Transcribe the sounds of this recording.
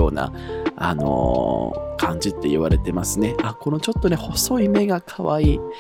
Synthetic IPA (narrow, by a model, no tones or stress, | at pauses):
o̞̰ːna̰a̰no̞̰ | kʰãɲ̟d͡ʑit̪ːe̞iβaɾe̞t̪e̞masɨne̞ako̞no̞t͡ɕo̞t̪ːo̞ne̞ho̞so̞ime̞ɡakʰaβaiː